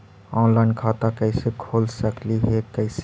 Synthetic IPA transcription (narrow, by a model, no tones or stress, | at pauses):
ɔ̃nlaɪnkʰat̪akəɪsekʰoːlsəkliɦɛkəɪse